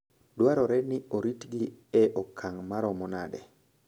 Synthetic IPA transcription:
dwaɾɔɾɛnɪoɾitɡiɛʔɔkʰːaŋmaɾɔmɔnadɛ̰

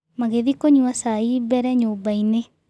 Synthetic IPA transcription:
maɣeðikoɲuasaibɛɾɛɲoːbaine

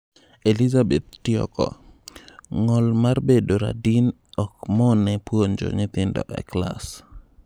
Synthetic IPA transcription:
elizabet̪̚tɪɔ̰kɔ̰ | ŋɔlmarbedoɾa̰din | ɔkmɔnɛpwond͡ʒɔ̰ɲɪt̪ɪndɔ̰ʔɛ̰kla̰s

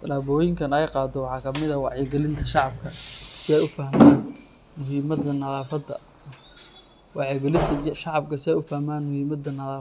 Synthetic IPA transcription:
t̪ʰɐlaːbɔːjɪŋkʰɐnɛjqɑːd̪ɔwɑħɑːkʰɐmɪðɐwɑʕɛɡɛlɪnt̪ʰɐʃɑʕɑb̚kʰɐsɪɛjʊfɐhmaːn | mʊɦiːmɐd̪ɐnɐðaːfɐd̪ɐ | wɑʕɛɡɛlɪnt̪ʰɐʃɑʕɑb̚kʰɐsɪɛjʊfɐhmaːnmʊhiːmɐd̪ɐnɐðaː

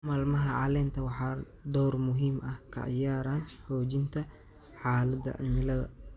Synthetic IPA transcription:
maːlmɐɦɐʕɑ̰lɛːnt̪ʰɐwɑħɑː | d̪ɔːrmʊɦiːmɐhkʰɐ̰a̰jaːɾanhɔːd͡ʒɪnt̪ʰɐ | ħaːlɐd̪ɐ̰ʔɐnɪlɐɣɐ̰

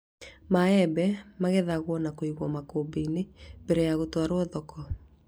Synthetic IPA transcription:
maɛbɛmaɣɛðaɣwɔnakoiɣwɔmakoːbeinembeɾejaɣotwaɾoɔðɔkɔ

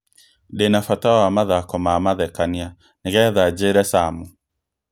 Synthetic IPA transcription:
denafataawamaðakɔmaːmaðɛkania | neɣɛðad͡ʒeɾɛsamu

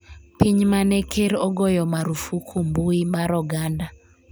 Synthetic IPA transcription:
piɲmanekʰeɾɔɡɔjɔmaɾufukʰumbuimaɾɔɡanda

